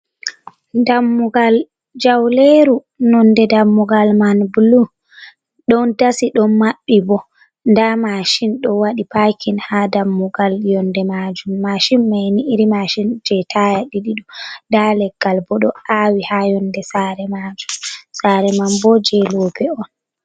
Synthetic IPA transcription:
damːuɡal | d͡ʒawleɾu | nɔndɛdamːuɡalmanbulu | ɗɔntasiɗɔnmaɓːibɔ | ndamaʃinɗɔwaɗipakʰinhadamːuɡaljɔndɛmad͡ʒumːaʃinːajniʔiɾimaʃind͡ʒɛtʰajaɗiɗiɗɔdalɛɡ̥ːalbɔɗɔʔawihajɔndɛsaɾɛmad͡ʒumsaɾɛmambɔd͡ʒɛloːpɛɔn

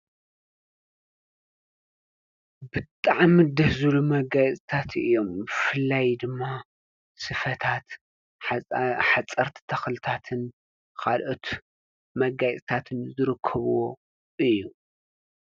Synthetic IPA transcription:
bɨt̪ʼaʕmid̪ɐhzɨlumɐɡajɛt͡s̪ʼt̪ʰat̪ɨ̰jːo̞mbfɨlːajd̪ɨmːa | sɨfɐt̪ʰat̪ | ħat͡sʼːɐɾt̪ʰi̥t̪ʰɐxlɨt̪ʰat̪ʰɨn | kʰalʔo̞t̪ | mɐɡajt͡sʼt̪ʰat̪ʰɨnzɨɾɨkʰːɐβuwo | ʔɨjːu

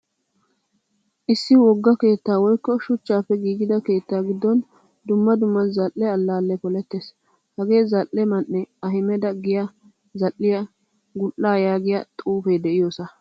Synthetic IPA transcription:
ʔɪsːɪwɔɡːɐke̞ːt̪ːaːwɔjkːɔʃʊt͡ʃːaːpːɛɡiːɡɪd̪ɐke̞ːt̪ːaːɡɪd̪ːɔn | d̪ʊmːɐd̪ʊmːɐnzɐlʔːɛɐlːaːlːɛpɔlɛt̪ːeːs | hɐɡe̞ːzɐlʔːɛmɐnːɛɐɦɪmɛd̪ɐɡɪjɐ | zɐlːɪjɐ | ɡʊlːaːjaːɡɪjɐt̪ʼuːfejd̪ɛʔɪjoːsɐ

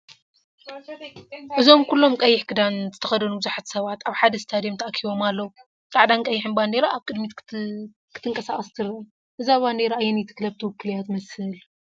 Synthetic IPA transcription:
ʔɨzo̞mkʰulːo̞mkʼɐjːɪħkʰɨd̪anzɨt̪ʰɐxɐd̪ɐnubɨzuħat̪ʰi̥sɐβat̪aβħad̪ɐst̪ʰad̪ijemt̪ʰɐʔakʰiβo̞malːɐwu | t̪ʼaʕd̪ankʼɐjːɪħɨnband̪eɾaaβkʼɨd̪mit̪ | kʰɨ̥t̪ʰɨŋkʼɐsaχʼɐst̪ʰɨɾ | ʔɨzaβband̪eɾaajɛnjɛt̪ʰɨ̥klɐβt̪ʰɨwɨkʰːɨlijat̪mɐshɨl

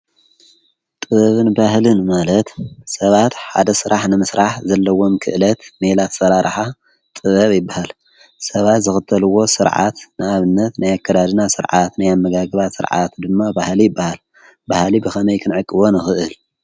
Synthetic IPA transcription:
t̪ʼɨβɐβɨnbahlɨnmalɐt̪sɐβat̪ħa̰d̪ɐsɨɾaħnɨmɨsɾaħzɐlːɐwo̞mkʰɨ̰ʔlɐt̪melat̪sɐɾaɾħa | t̪ʼɨβɐβjɪbːahal | sɐβat̪zɨxɨt̪ʰːɐlɨwːo̞sɨɾʕa̰t̪nɨaβɨnːɐt̪najakʰːɐd̪ad̪ɨnasɨɾʕat̪najamːɐɡaɡɨβat̪sɨ̰ɾʕa̰t̪d̪ɨmːabahlijɪbːahal | bahlibɨxʰɐmɐjkʰɨnʕɨkʼːɨβo̞nɨxɨʔɨl

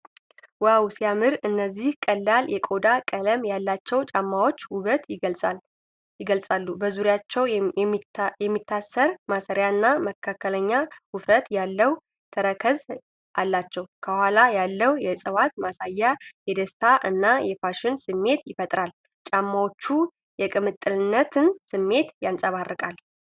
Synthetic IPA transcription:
wawsijamɨɾɨnːəzːihkʼəlːaljɛkʼo̞d̪akʼələmjalːat͡ʃːɛwt͡ʃʼamːawot͡ʃːuβət̪ʼ | jɪɡəlsʼalːubəzuɾjat͡ʃːɛw | jɛmːit̪ʰːasːəɾmasəɾjaɨnːaməkʰːakʰːələɲːawʊfɾət̪jalːəw | t̪ʰəɾəkʰəz | ʔalːat͡ʃːɛwkʰəhʷalajalːəwjɛsʼəwat̪masajːajɛd̪əst̪ʰaʔɨnːajɛfaʃɪnsɨmːe̞t̪jɪfət̪ʼɾal | t͡ʃʼamːawot͡ʃːu | jɛkʼɨmɨt̪ʼːɨlɨnːət̪ʰɨnsɨmːe̞t̪jansʼəβarːəkʼal

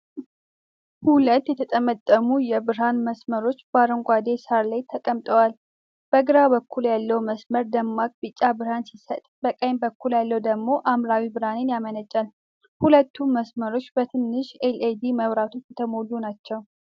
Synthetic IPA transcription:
hulət̪ːjɛt̪ʰət̪ʼəmət̪ʼːəmujɛbɨɾɦanməsməɾo̞t͡ʃːbaɾəŋɡʷad̪e̞saɾlajt̪ʰəkʼəmt̪ʼəwal | b̥əɡɨɾaβəkʰːuljalːəwməsməɾd̪əmːakʼbɨt͡ʃʼːabɨɾhansisət̪ʼbəkʼəjmbəkːuljalːəwd̪əɡmo̞ʔamɾawibɨɾhanenjamənət͡ʃʼːal | hulət̪ːuməsməɾo̞t͡ʃːbət̪ʰɨnːɨʃeled̪iməβɾat̪ʰot͡ʃːjɛt̪ʰəmo̞lːunat͡ʃːɛw

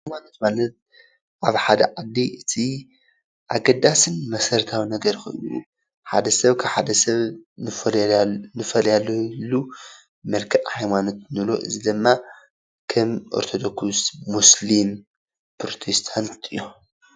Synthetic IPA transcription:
ħaajmanot̪malɐt̪̚ | ʔaβħad̪ɐ̰ʕad̪ːiʔɨt̪ʰi | ʔaɡɐd̪asɨnmɐsɐɾt̪ʰawnɐɡɐɾkɨ̰ʔjṵ | ħad̪ɐsɐβkʰaβħad̪ɐsɐβ | nɨfɐljalːoilːu | mɐlkʰɐʔhajmanot̪̚nɨlo̞̰ʔɨ̰zid̪ɨmːa | kʰɐmʔoɾt̪ʰod̪okusːuslim | pɾot̪ʰest̪ʰant̪ɨjːo

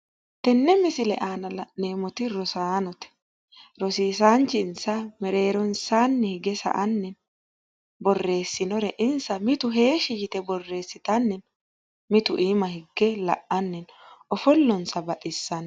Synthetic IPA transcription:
t̪ɛnːɛmɪsɪlɛʔaːnɐlɐne̞ːmɔt̪ɪɾɔsaːnɔt̪ɛ̥ | ɾɔsiːsaːnt͡ʃɪnsɐmɛɾe̞ːɾɔnsaːnːɛhɪɡɛsɐ̰ʔɐnːɛn | bɔrːe̞ːsːɪnɔɾɛʔɪnsɐmɪt̪ʊɦe̞ːʃɪjɪt̪ɛbɔrːe̞ːsːɪt̪ɐnːɛn | mɪt̪ʊʔiːmɐhɪɡːɛlɐ̰ʔɐnːɛn | ɔfɔlːɔnsɐbɐʔʼɪsːɐn

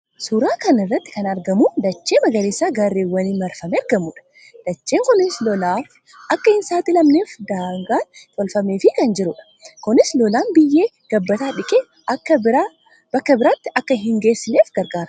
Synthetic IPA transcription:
suɾaːkɐnɪrːɐt̪ːɪ̥kɐnɐɾɡɐmuːd̪ɐt͡ʃːe̞ːmɐɡɐɾeːsːaːɡaːɾːeːwːɐniːmɐɾfɐmɛɐɾɡɐmʊᶑɐ̥ | d̪̥ɐt͡ʃːe̞ːŋkɔnɪslɔlaːf | ʔɐkːɐhɪnsaːt̪ɪlɐmneːfd̪aːŋɡaːnt̪ʼɔlfɐmeːfɪkɐnd͡ʒɪɾʊᶑɐ̥ | kʊnɪslɔlaːnbɪjːe̞ː | ɡ̥ɐbːɐt̪aːᶑɪkʼeː | ʔɐkːɐbɾaː | b̥ɐkːɐbɪɾaːt̪ːɪʔɐkːɐɦɪŋɡe̞ːsːɪleːfɡɐɾɡaːɾɐ

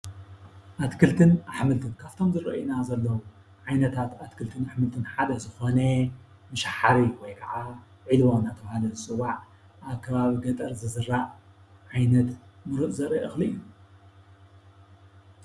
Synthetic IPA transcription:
ʔat̪kʰɨlt̪ʰɨnaħmɨlt̪ʰɨnkʰaft̪ʰo̞mzɨɾɐ̰ʔjinazɐlːɐwu | ʕajnɐt̪ʰat̪at̪kʰɨlt̪ʰɨnaħmɨlt̪ʰɨnħad̪ɐzɨxone | mɨʃaħaɾiwɔjkʰɐʕa | ʕilwonat̪ʰɐβahalɐzɨsɨwaʕ | ʔaβkʰːɐβaβiɡɐt̪ʼɐɾzɨzɨɾːaʔ | ʕajnɐt̪mɨɾɨʔzɐɾɐʔɨxlɨʔɨjuu

